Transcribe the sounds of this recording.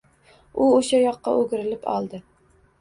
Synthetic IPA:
ʊoʃajɒqːɑ̰ʔɵɡʲɪɾɪlɪpʰɒ̰lˠd̪ɪ

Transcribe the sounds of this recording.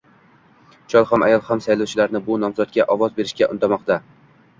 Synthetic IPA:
t͡ʃʰɒlˠhɒma̰jɒlˠhamsajlawt͡ʃʰɪlaɾnɪbʊnɒmzɒt̪̚ɡʲaʔɒvɒzbe̞ɾɪʃkʲaʔʊ̰nt̪ʰamɒqt̪a

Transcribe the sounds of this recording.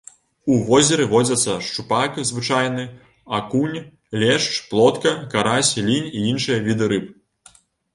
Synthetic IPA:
uvɔzʲɛɾɨvɔd͡zʲɐt̪sːɐʂt͡ʂupakzvɨt͡ʂajnɨ | akunʲ | lʲɛʂt͡ʂplˠɔt̪kɐkaɾasʲlʲinʲiinʂɨjɐvʲid̪ɨɾɨp̚

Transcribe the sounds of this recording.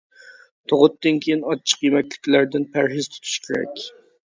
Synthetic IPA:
t̪ʰoʁʊt̪ːɨnkʲʰejinɑt͡ʃʰːə̥qjemɛkʲlɪkʲlæɾd̪ɪnpʰæɾɦɪz̥t̪ʰy̥t̪ʰy̥ʃkʲʰeɾɛ̰kʲ

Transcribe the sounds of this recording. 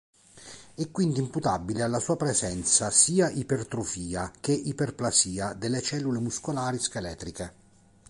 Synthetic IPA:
ɛkːwind̪imput̪abːilealːasuːapɾezɛnt̪sasiːaʔipert̪ɾofiːak̟eʔiperplasiːad̪elːet͡ʃɛlːulemuskolaːɾiskelɛːt̪ɾike

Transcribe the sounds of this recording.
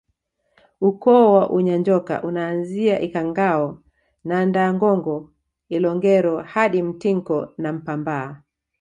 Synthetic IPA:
ukɔːwaʔuɲaɲd͡ʒɔka̰ʔunaːnziaʔikaŋɡaɔ | nandaːŋɡɔŋɡɔ | ilɔŋɡɛɾɔhaɗim̩tiŋkɔnam̩pambaː

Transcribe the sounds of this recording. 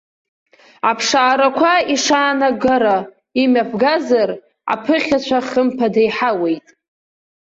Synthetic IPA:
apʰʂaːɾakʷʰaiʂaːnaɡaɾa | imʲapʰɡazar | a̰pʰɨχʲat͡ɕʷʰaχəmpʰadejħawe̞jtʼ

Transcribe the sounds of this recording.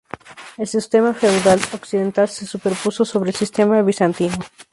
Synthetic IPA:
e̞lsist̪e̞mafe̞wðaloksiðe̞nt̪alsesupe̞ɾpuso̞so̞βɾeːlsist̪e̞maβisant̪ino

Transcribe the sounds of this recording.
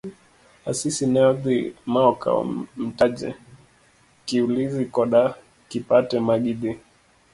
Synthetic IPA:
asisinɛɔðimaɔka̰m̩tad͡ʒɛ̰ | kiulizikɔɗa | kipatɛmaɡiɗi

